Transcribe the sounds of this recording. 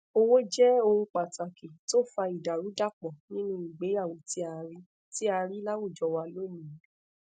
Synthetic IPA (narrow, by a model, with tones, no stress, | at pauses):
o˧wo˦d͡ʒɛ˦o˧ɾũ˧k͡pa˨ta˨ki˨to˦˨fa˧i˨da˨ɾu˨˦da˦˨k͡pɔ˨nĩ˦nũ˦i˨ɡ͡be˨˦a˦˨wõ˨ti˦a˧ɾi˦ | ti˦a˧ɾi˦la˦wu˦˨d͡ʒɔ˧wa˧lo˦nĩ˨˦